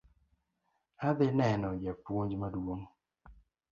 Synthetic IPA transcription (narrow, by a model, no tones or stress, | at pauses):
ad̪ɪnɛnɔjapwoɲd͡ʒmadwoŋ